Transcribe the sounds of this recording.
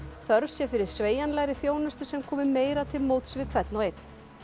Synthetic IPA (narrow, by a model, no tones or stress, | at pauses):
θœɾvsjɛfɪɾɪɾ̥sveːjanlɛːɣɾɪθjoːwnʏst̪ʏsɛmkʰɔːmɪmeːjɾat̪ʰɪlmowt̪svɪkʰvɛt̪nɔɣejt̪n̥